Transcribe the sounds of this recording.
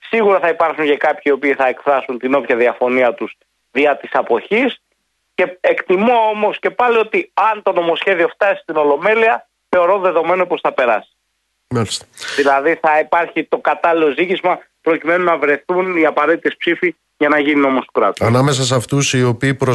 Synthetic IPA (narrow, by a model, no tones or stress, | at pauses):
siɣuɾɐθɐipɐɾxuɲcekɐpçiːo̞piːθɐe̞kfɾɐsunt̪ino̞pçɐðiɐfo̞niɐt̪us | ðiɐt̪isɐpo̞çis | ce̞e̞kt̪imo̞omo̞sce̞pɐlio̞t̪iɐnt̪o̞no̞mo̞sçe̞ðio̞ft̪ɐsi̥st̪ino̞lo̞me̞liɐ | θe̞o̞ɾo̞nðe̞ðo̞me̞nopo̞sθɐpe̞ɾɐsi̥ | mɐlist̪ɐ̥ðilɐðiθɐipɐɾçit̪o̞kɐt̪ɐlilo̞zicizmɐ | pɾo̞cime̞nunɐvɾe̞θuniɐpɐɾe̞t̪it̪e̞spsifi | ʝɐnɐʝinio̞mo̞st̪ukɾɐ̰t̪uɐnɐmes̬ɐs̬ɐft̪usio̞piːpɾo